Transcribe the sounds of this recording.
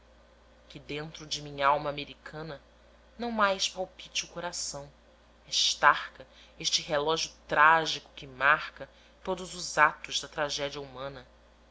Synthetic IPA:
kʲɪd̪ẽnt̪ɾʊd͡ʒɪmĩɲɐawmɐːmeɾikʰɐ̃nɐ | nɐ̃w̃majspawpit͡ʃɪukoɾasɐ̃w̃ | eʃt̪aχkɐ | eʃt͡ʃɪɦelɔʒiʊt̪ɾaʒikʊ̥kɪmaɾkɐ | t̪od̪ʊzʊzat̪ʊzd̪ɐt̪ɾaʒɛd͡ʒiɐumɐ̃nɐ

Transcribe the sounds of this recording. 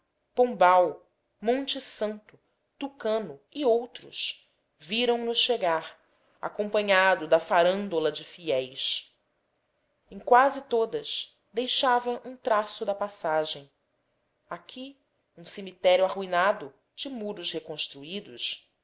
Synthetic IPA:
põbaw | mõnt͡ʃɪsɐ̃nt̪ʊ | t̪ukɐ̃nʊiowt̪ɾʊʃ | viɾɐ̃w̃nʊʃʃeɡaɾ | a̰kõmpɐ̃ɲad̪ʊd̪ɐfaɾɐ̃nd̪olɐd͡ʒɪfiɛjs | ẽŋ̃kwazɪt̪od̪ɐʃ | d̪ejʃavɐʔũt̪ɾasʊd̪ɐpasaʒẽj̃ | akʰʲi | ũsemit̪ɛɾjuahuinad̪ʊ | d͡ʒɪmuɾʊʃhekõʃt̪ɾuid̪ʊʃ

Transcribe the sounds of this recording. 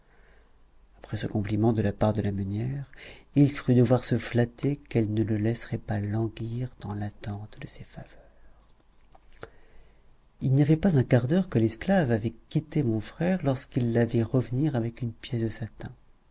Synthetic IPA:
apχɛsəkɔ̃plimɑ̃d̪əlapaʁd̪əlamanjɛʁilkχyd̪əvwaʁsəflat̪ʰekɛlnələlɛsəʁɛpalɑ̃ɡiʁd̪ɑ̃lat̪ɑ̃t̪d̪əsefavœʁ | ilnijavɛpazɛ̃kaʁd̪œʁkəlɛsklavavɛkʲit̪emɔ̃fχɛʁlɔʁskilːavɛʁəvəniʁavɛkynpjɛsd̪əsat̪ɛ̃

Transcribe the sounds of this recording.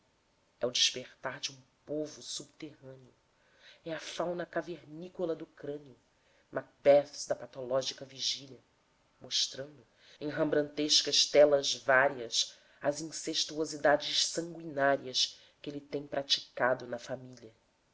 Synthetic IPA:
ɛʊd͡ʒiʃpeɾt̪aɾd͡ʒɪũpovʊsubt̪eɦɐ̃nɪʊ | ɛɐfawnɐkaveɾnikolɐd̪uːkɾɐ̃niʊ | mak̚bɛfsd̪ɐpat̪olɔʒikɐviʒilʲɐ | moʃt̪ɾɐ̃nd̪ʊ | ẽɦɐ̃mbɾɐ̃nt̪eʃkɐʃt̪ɛlɐzvaɾiɐs | ɐzĩseʃt̪uozid̪ad͡ʒɪʃsɐ̃ŋɡwinaɾiɐs | kelɪt̪ẽj̃pɾʔat͡ʃi̥kad̪ʊnɐfamiliɐ

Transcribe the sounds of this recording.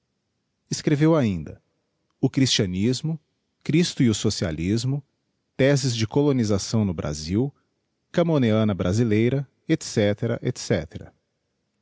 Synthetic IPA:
ɪskɾevewaĩnd̪ɐ̰ | ʊkɾist͡ʃiɐ̃nizmʊ | kɾist̪ʊiʊsosia̰lizmʊ | t̪ɛzɪzd͡ʒɪkolonizasɐ̃w̃nʊbɾʔa̰ziw | kɐmoneɐ̃nɐbɾʔazilejɾɐ | et̪sɛt̪eɾɐ̰ʔet̪sɛt̪eɾɐ̰

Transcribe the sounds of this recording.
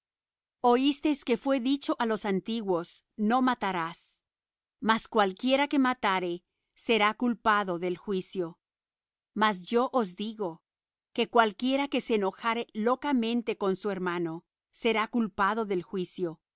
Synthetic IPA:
o̞ist̪ejske̞fwe̞ðit͡ʃo̞ʔalo̞sant̪iɣwo̞s | no̞mat̪aɾas | maskwalkje̞ɾake̞mat̪aɾe̞ | se̞ɾakulpaðoðe̞lxwisjo̞ | masd͡ʒo̞ʔozd̪iɣo̞ | ke̞kwalkje̞ɾake̞seːno̞xaɾe̞lo̞kamẽ̞nt̪e̞ko̞nsue̞ɾmano̞ | se̞ɾakulpaðo̞ðe̞lxwisjo̞

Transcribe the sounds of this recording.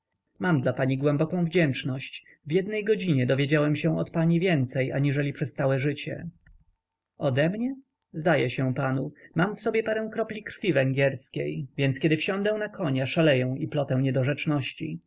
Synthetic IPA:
mamd̪lapaɲiɡwɛmbɔkɔ̃w̃vd͡ʑɛnt͡ʂnɔɕt͡ɕ | vjɛd̪nɛjɡɔd͡ʑiɲɛd̪ɔvʲjed͡ʑawɛmɕɛ̃ɔt̪paɲivʲjɛnt̪sɛjaɲiʐɛlʲipʂɛst̪sawɛʐɘt͡ɕɛ̰ | ɔd̪ɛmɲɛ | zd̪ajɛɕɛ̃panumamfsɔbʲjɛpaɾɛ̃w̃kɾɔplʲikɾ̥fʲivɛŋɡʲɛɾskʲejvʲjɛnt̪skʲɛd̪ɘfɕɔ̃nd̪ɛ̃w̃nakɔɲaʂalɛjɛ̃w̃iplɔt̪ɛ̃w̃ɲɛd̪ɔʐɛt͡ʂnɔɕt͡ɕḭ

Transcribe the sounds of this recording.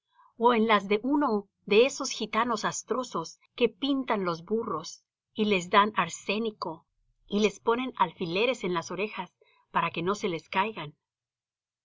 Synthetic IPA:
oenlazðe̞ʔuno̞ | ðe̞eso̞sxit̪ano̞sast̪ɾo̞so̞s | ke̞pint̪anlo̞zburo̞s | ile̞zd̪anaɾse̞niko̞ | ile̞spo̞ne̞nalfile̞ɾe̞se̞nlaso̞ɾe̞xas | paɾake̞no̞se̞leskajɣan

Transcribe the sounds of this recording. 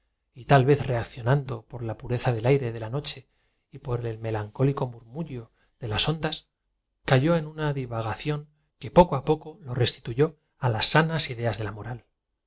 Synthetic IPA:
it̪alβe̞θre̞akθjo̞nand̪o̞po̞ɾlapuɾe̞θaðe̞lajɾe̞ðe̞lano̞t͡ʃe̞ | ipo̞ɾe̞lme̞laŋko̞liko̞muɾmuʎo | ðe̞laso̞nd̪as | kaʝo̞e̞nunaðiβaɣ̞aθjo̞ŋ | kepo̞koapo̞ko̞lo̞re̞st̪i̥t̪uʝo̞ | alasːanasiðe̞azðe̞lamo̞ɾal

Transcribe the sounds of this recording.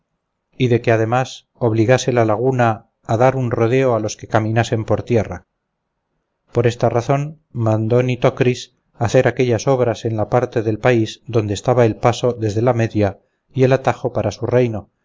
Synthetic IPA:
iðe̞ke̞aðe̞mas | o̞βliɣase̞lalaɣ̞unaː | ðaɾunro̞ð̞e̞oalo̞ske̞kamĩnase̞mpo̞ɾt̪je̞ra̰ | po̞ɾe̞st̪araθo̞n | mãnd̪o̞nit̪okɾis | aθe̞ɾake̞ʎaso̞β̞ɾase̞nlapaɾt̪e̞ðe̞lpaizd̪o̞nd̪est̪aβae̞lpaso̞ðe̞zðe̞lame̞ðja | ie̞lat̪axo̞paɾasure̞jno̞

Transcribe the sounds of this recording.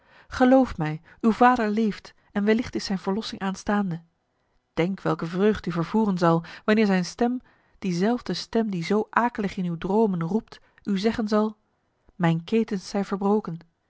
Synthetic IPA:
χəlowftmɛj | ywvaːdəɹlejft | ɛnʋɛlɪχtɪsɛjnvəɹlɔsɪŋʔaːnstaːndə | d̥ɛŋkʋɛlˠkəvrøːχdəyvəɹv̥uːrənzɑlˠʋɑnɪːɹzɛjnstɛm | d̥izɛlˠvdəstɛmdizowʔaːkələχɪnywdrowmənrupt | ʔyzɛχənzɑlˠ | mɛjnkejtənsːɛjvəɹbrowkən

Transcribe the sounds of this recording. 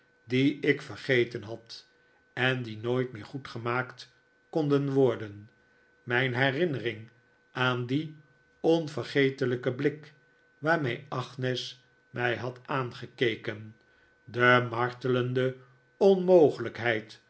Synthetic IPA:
diɪkfərχejtənɦɑt | ɛndinojtmɪːχutχəmaːkt | kɔndənʋɔɹdən | mɛjnɦɛrɪnərɪŋ | ʔaːndi | ɔnvərχejtələkəblɪk | ʋaːɹmejɑχnɛs | mɛjɦɑtaːnχəkejkən | dəmɑɹtələndə | ɔnmowχələkɦɛjt

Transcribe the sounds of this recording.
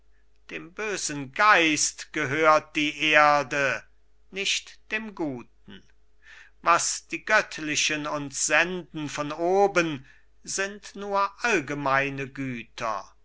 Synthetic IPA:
d̥eːmbøːzən̩ɡaɪstɡ̥əɦøːɐt̚d̥iːʔeɐdə | nɪʃtd̥eːmɡuːt̚n̩ | vasd̥iːɡœtʰlɪʃənʊntsz̥ɛndn̩fɔnoːbən | zɪntnuːɐʔalɡəmaɪnəɡyːtʰɐ̰

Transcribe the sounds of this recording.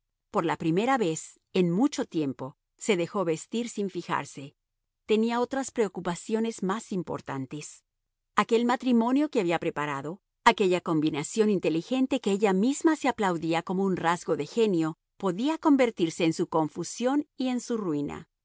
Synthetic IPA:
po̞ɾlapɾime̞ɾaβe̞s | e̞nmut͡ʃo̞t̪je̞mpo̞ | se̞ðe̞xo̞βe̞st̪iɾsiɱfixa̰ɾse̞ | t̪e̞niao̞t̪ɾaspɾe̞okupasjo̞ne̞zmasimpo̞̰ɾt̪a̰nt̪e̞s | ake̞lmat̪ɾimõ̞njo̞keaβiapɾe̞paɾaðo̞ | ake̞ʝako̞mbinasjo̞nint̪e̞lixe̞nt̪e̞keeʝamizmaseaplawðiako̞mo̞unrazɣo̞ðe̞xe̞njo | po̞ðiako̞mbe̞ɾt̪iɾse̞ːnsuko̞ɱfusjo̞nie̞nsurwina̰

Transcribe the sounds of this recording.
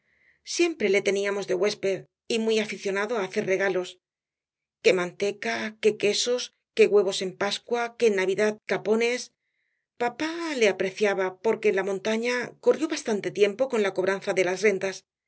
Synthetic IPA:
sje̞mpɾe̞le̞t̪e̞niamo̞zðe̞ɣwe̞spe̞ð | imwiafiθjo̞naðo̞aːθe̞ɾre̞ɣ̞alo̞s | ke̞mãnt̪e̞kake̞ke̞so̞s | ke̞ɣwe̞β̞o̞se̞mpaskwakenːaβiðaðkapo̞ne̞s | papale̞apɾe̞θjaβapo̞ɾke̞ːnlamõ̞nt̪aɲako̞rjo̞βast̪ant̪e̞t̪je̞mpo̞ko̞nlako̞βɾanθaðe̞lazre̞nd̪as

